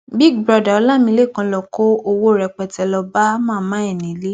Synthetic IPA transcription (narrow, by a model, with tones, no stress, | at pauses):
bi˦˨ɡ̚bɾɔ˧˦˨da˨ɔ˧˦la˦mĩ˧˦le˦˨kã˧lɔ˨ko˦o˧wo˧˨ɾɛ˨k͡pɛ˨tɛ˨lɔ˧ba˦mãː˦˨mã˦ɛ˦˨nĩ˨˦le˦